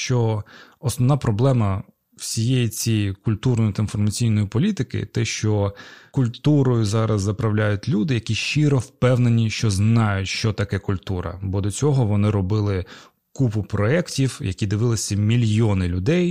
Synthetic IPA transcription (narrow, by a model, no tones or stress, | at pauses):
ʃt͡ʃɔɔsnɔwnɑpɾɔblˠɛmɐ | w̥sʲijejit͡sʲikʊlʲt̪urnɔjʊt̪ɐinfɔrmɐt͡sʲijnɔjipɔlʲit̪ɪkɪ̰t̪ɛʃt͡ʃɔkʊlʲt̪uɾɔjʊzɑɾɐzːɐpɾɐwlʲajʊtʲlʲud̪ɪjɐkʲiʃt͡ʃɪɾɔwpɛwnenʲiʃt͡ʃɔznɑjʊtʲʃt͡ʃɔt̪ɐkɛkʊlʲt̪uɾɐ̰bɔd̪ɔt͡sʲɔɦɔʋɔnɪɾɔbɪlˠɪ | kupʊpɾɔɛktʲiwjɐkʲid̪ɪʋɪlˠɪsʲɐmʲilʲjɔnɪlʲʊd̪ɛj